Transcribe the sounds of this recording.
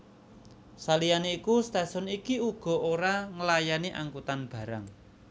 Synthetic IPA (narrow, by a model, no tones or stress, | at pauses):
salijaneikust̪asɔnikiuɡ̥ɔ̤ʔoɾaŋəlajaniʔa̰ŋkut̪anb̥ä̤ɾaŋ